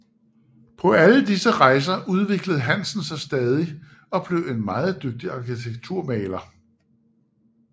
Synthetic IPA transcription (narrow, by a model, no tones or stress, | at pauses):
pʰɒ̽ʔæləd̥isəʁɑ̈ɪs̬ɐʔuð̞ˠʋe̝ɡ̥ləð̞̩ˠɦæn̰sn̩sɑ̈ɪsd̥ɛːð̞ˠi | ɒ̽b̥le̝ʊe̝nmɑ̈ːð̞̩ˠd̥øɡ̥̚d̥iɑ̈kʰit͡sʰeɡ̥̚t͡sʰuɐ̰mɛːlɐ